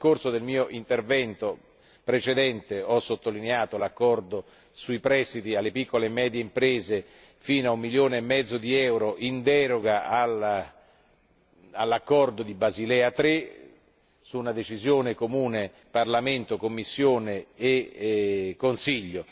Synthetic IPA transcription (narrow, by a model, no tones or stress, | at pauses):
korsod̪elmiːoʔint̪ervɛnt̪o | pɾet͡ʃed̪ɛnt̪eɔsot̪ːolineaːt̪olakːɔrd̪o | suipɾɛst̪it̪ialːepikːolemɛːd̪jeimpɾeːze | fiːnoaumːiljoːneemːɛd̪zːod̪iɛwɾoʔind̪ɛːɾoɡaal | alːakːɔrd̪od̪ibazilɛat̪ɾe | suːnad̪et͡ʃizjoːnekomuːne | parlament̪okomːisːjoːneː | kːonsiʎːo